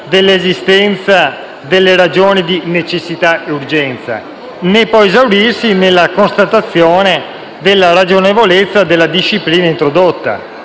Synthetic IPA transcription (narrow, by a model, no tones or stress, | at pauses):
d̪elːezist̪ɛnt̪sa | d̪elːeɾad͡ʒoːnid̪inet͡ʃesːit̪aeurd͡ʒɛnt̪sa̰ | nepːɔjezawɾirsinelːakonst̪at̪at̪sːjoːne | d̪elːaɾad͡ʒonevolet̪sːad̪elːad̪iʃːipliːnaint̪ɾod̪ot̪ːa̰